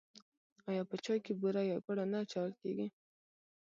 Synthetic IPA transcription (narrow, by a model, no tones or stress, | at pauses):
ɑjɑpət͡ʃɑjkebuɾajawkaɽanat͡ʃɑwəlkeɡi